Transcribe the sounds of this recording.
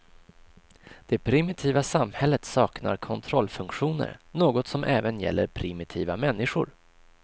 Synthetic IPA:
d̪̥ɛpʰɾɪmɪt̪ʰiːvasamhɛlːət̪sɑːkna̰ɾkʰɔnt̪ʰɾɔlːfɵŋkɧuːnə̰ɾnoːɡɔt̪sɔmʔɛːvənjɛ̰lːəɾpʰɾɪmɪt̪ʰiːvamɛnːɪɧʊ̰ɾ

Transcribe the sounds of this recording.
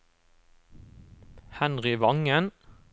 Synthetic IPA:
hɛnʁɪʋɑŋən

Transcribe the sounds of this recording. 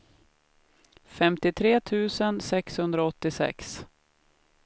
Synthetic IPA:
fɛmt̪ɪt̪ʰɾeːt̪ʰʉ̟ːsənsɛkshɵnd̪ɾaɔt̪ːɪsɛ̰ks

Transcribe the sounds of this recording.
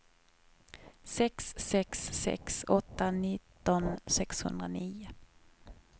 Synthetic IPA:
sɛksːɛksːɛ̰ksɔt̪ːanɪt̪ːɔnsɛkshɵ̰nd̪ɾaniːʊ

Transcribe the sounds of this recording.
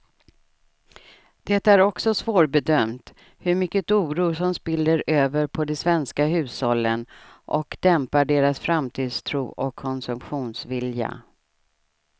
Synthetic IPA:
d̪̥ɛt̪ːæɾɔksɔsvoːɾbɛd̪œmt̪ | hɵɾmʏkːət̪uːɾuːʂɔmspɪld̪əɾøːvəɾpʰɔd̪ɛsvɛnskaɦʉ̟ːshɔlːənʔɔkd̪̥ɛmpaɖeːɾasfɾamt̪ʰiːd̪st̪ʰɾuːʔɔkʰːɔnsɵmpɧuːnsvɪlja̰

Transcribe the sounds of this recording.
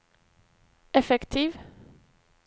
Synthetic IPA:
ʔɛfɛkt̪ʰiːv

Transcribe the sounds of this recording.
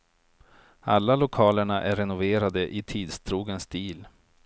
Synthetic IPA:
alːalʊkʰɑːləɳaʔæɾɛnʊveːɾad̪əʔɪt̪ʰiːd̪st̪ʰɾuːɡənsd̪iːl

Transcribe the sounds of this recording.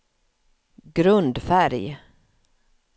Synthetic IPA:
ɡɾɵnd̪fæɾj

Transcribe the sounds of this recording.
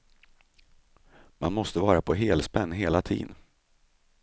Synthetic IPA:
manmɔst̪əvɑːɾapʰɔɦeːlspɛnːɦeːlat̪ʰḭːd̪n

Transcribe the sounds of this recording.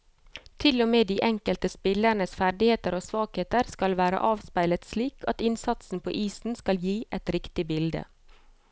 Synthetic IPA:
t̪ʰɪlɔmeːd̪iːʔɛŋkəlt̪əspɪləɳəsfæɖɪheːt̪əɾoːsʋɑːɡheːt̪əɾskɑlʋæːɾə̰ʔɑːʋspæɪlət̪sliːkʰɑ̰t̪ɪnsɑt̪sn̩pʰo̰ːʔiːsn̩skɑljiːʔɛt̪ɾɪkt̪ɪbɪld̪ə̰

